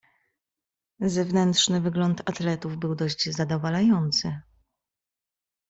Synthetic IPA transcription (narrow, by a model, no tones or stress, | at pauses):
zɛvnɛnt̪ʂnɘvɘɡlɔnt̪at̪lɛt̪uvbɘwd̪ɔʑd͡ʑzad̪ɔvalajɔnt̪sɘ